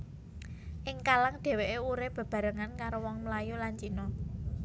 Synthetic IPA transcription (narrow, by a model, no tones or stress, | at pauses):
ʔɪŋkalaŋɖ̪̥e̤weʔeuɾɪb̥ə̤b̥a̤ɾəŋankaɾowɔŋmlajulant͡ʃinɔ